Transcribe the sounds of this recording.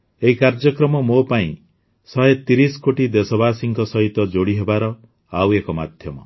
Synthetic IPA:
eɦikaɾd͡ʒɔkɾɔmɔmopaĩ | sɔɦet̪iɾiskoʈid̪esɔbaːsiŋkɔsɔɦit̪ɔd͡ʒoɽiɦebaɾɔ | awekɔma̰d̪ʱjɔmɔ

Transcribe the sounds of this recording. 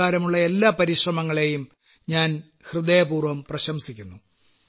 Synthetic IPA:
aːɾɐmuɭːɐe̞lːaːpɐɾiʂrɐmɐŋːɐɭe̞jum | ɲaːn | hrɨd̪eːjɐpuːrʋɐmprɐɕɐmsikʲːunːu

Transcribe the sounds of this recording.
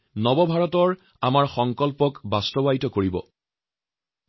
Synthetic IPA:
nɔbɔbʱaɹɔtɔɹ | amaɹxɔŋkɔlpɔkbastɔbaitɔkoɹibɔ̰

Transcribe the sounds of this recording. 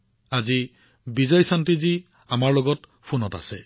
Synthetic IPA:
azi | bizɔjsantizi | amaɹloɡɔt | pʰunɔta̰se

